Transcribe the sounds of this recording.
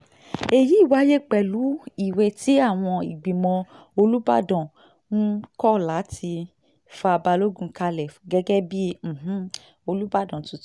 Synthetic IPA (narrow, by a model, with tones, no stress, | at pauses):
e˨ji˨˦i˦˨wa˨˦je˦k͡pɛ˨lu˨˦i˨wɛ˧˨ti˨˦a˦˨w̃ɔ̃˧i˨ɡ͡bĩ˨mɔ̃˧ | o˧lu˦ba̰˦˨dɔ̃˨ | n̩˦kɔ˦˨la˨˦tʰi˧ | fa˧ba˧lo˦ɡũ˦˧˦ka˧lɛ˨fɡɛ˦ɡɛ˦bi˦m̩˨ɦ̩˦ | o˧lu˦ba˦˨dɔ̃˨tu˨˧˦